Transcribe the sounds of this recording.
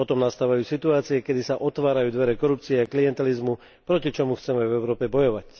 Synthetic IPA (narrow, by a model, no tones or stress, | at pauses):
ɔt̪ɔmnast̪aːʋajuːsit̪uaːt͡siɛkɛd̪isaʔɔt̪ʋaːɾajuːd̪ʋɛɾɛkɔɾup̚t͡siɛakliɛnt̪ɛlizmu | pɾɔcit͡ʃɔmuxt͡sɛmɛvɛʊɾɔːpɛbɔjɔʋac